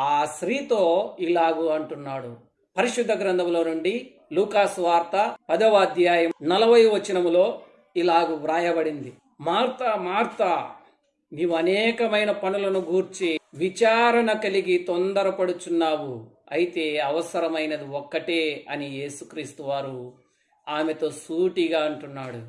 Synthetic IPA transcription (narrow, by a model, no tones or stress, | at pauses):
aːʃɾiːt̪oːilaːɡuɐɳʈunːaːɽu | pɐɾiʃud̪ʱːɐɡɾɐnd̪ɐmlo̞ːnuɳɖi | luːkaːsʋaːɾt̪ɐpɐd̪ɐʋaːd̪jaːjɐmnɐlɐbɐjʋɐt͡ʃːinɐmloː | ilaːɡuʋɾaːjɐbɐɽind̪i | maːɾt̪ɐmaːɾt̪ɐ | niːʋuɐnɛːkɐmɐjnɐpɐnulɐnuɡuːɾt͡ʃiʋit͡ʃaːɾɐɳɐkɐliɡit̪ond̪ɐɾɐpɐɽut͡ʃ̪unːaːwu | ɐjit̪e̞ːɐʋɐsɐɾɐmɐjnɐd̪iɔkːɐʈeːɐnije̞ːsukɾiːst̪uʋaːɾu | aːmet̪o̞ːsuːʈiɡaːɐɳʈunːaːɽu